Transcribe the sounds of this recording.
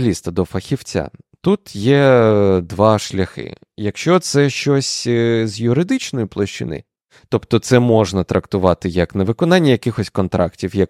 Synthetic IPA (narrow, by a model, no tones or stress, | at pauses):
lʲist̪ɐd̪ɔfɐxʲiwt͡sʲa̰t̪ut̪jɛd̪ʋɑʃlʲɐxɪ̰ | jɐkʃt͡ʃɔt̪sɛʃt͡ʃɔsʲzʲjʊɾɪd̪ɪt͡ʃnɔjʊplˠɐʃt͡ʃɪ̰nɪ̰ | t̪ɔpt̪ɔt̪sɛmɔʒnɐt̪ɾʔɐkt̪ʊʋɑt̪ɪjɐkneʋɪkɔnɑnʲːɐjɐkɪxɔsʲkɔnt̪ɾʔɑ̰ktʲiwjɐk